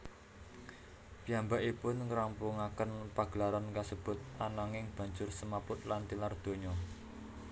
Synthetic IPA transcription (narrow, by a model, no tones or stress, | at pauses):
piambaʔipʊnŋɾampuŋakənpaɡ̥əlaɾankasəb̥ʊ̤t̪̚ʔanaŋɪŋb̥ä̤ɲd͡ʒʊrsəmapʊt̪̚lant̪ilard̪̥o̤ɲɔ